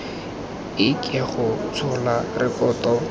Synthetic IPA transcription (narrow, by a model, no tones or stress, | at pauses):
ɪkʼɛχʊt͡sʰʊlarɪkɔːtɔ